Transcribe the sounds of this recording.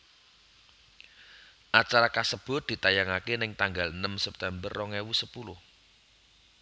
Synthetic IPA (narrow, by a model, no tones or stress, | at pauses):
ʔat͡ʃaɾakasəb̥ʊ̤d̪̥i̤t̪ajaŋakenɪŋt̪aŋɡalnəmsɛp̚t̪ɛmbərːɔŋɛwusəpulʊh